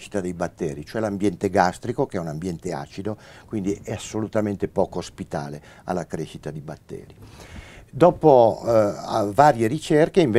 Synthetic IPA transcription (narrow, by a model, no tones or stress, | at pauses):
ʃi̥t̪ad̪ejbat̪ːɛːɾit͡ʃoɛlambjɛnt̪eɡast̪ɾikokeɛunambjɛnt̪ea̰ːt͡ʃid̪okwind̪iʔɛasːolut̪ament̪epɔːkoːspit̪a̰ːle | a̰lːakɾeʃit̪ad̪ibat̪ːɛ̰ːɾi | d̪ɔːpo | vaːɾjeɾit͡ʃerkeiɱve